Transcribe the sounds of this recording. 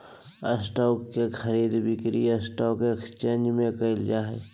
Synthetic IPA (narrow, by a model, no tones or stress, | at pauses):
ə̰sʈɔːkːekʰəɾiːd̪bɪkɾiəsʈɔːkekst͡ʃeːnd͡ʒmẽkəɪld͡ʒaːɦɛ̰